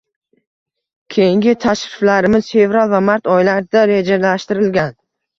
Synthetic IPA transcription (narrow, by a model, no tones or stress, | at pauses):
kʲʰe̞jɪŋɡʲɪt̪ʰaʃɾɪflaɾɪmɪz̥fe̞vɾalˠvamaɾt̪ʰɒjlaɾd̪aɾe̞d͡ʒalaʃt̪ɪɾɪlɡʲan